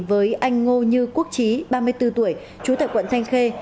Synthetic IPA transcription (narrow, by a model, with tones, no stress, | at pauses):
vəː˨˦jʔa˧jŋ̟ŋo˧ɲɨ˧ku˦˥ək̚t͡ɕi˨˦ɓaː˧mɨ˧əjt̪ɨ˧t̪u˧˩əj | t͡ɕu˨˦t̪a̰ː˧˨jkwə̰˧˨nt̪ʰa˧jŋ̟xe˧